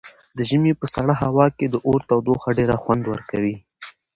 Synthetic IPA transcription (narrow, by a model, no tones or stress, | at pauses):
d̪əʒəmepəsaɽaɦawɑked̪əʔoɾt̪awd̪oxaɖeɾaxwand̪wəɾkawi